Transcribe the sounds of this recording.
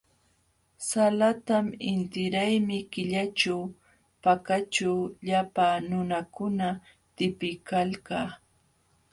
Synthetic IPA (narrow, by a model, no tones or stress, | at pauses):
salat̪amɪnt̪ɪɾajmɪkɪʎat͡ʃaw | pakaʈ͡ʂawʎapanʊnakʊna | t̪ɪpɪkalkaː